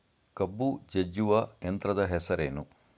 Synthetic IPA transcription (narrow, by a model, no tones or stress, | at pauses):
kɐbːud͡ʒɐd͡ʒuʋɐjɐnt̪ɾɐd̪ɐɦɛsɐɾḛːnu